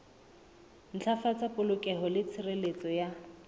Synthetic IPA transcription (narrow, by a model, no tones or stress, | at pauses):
n̩t͡ɬʰafat͡sʼapʼʊlʊkʼɛɦɔlɪt͡sʰɪrelet͡sʼɔja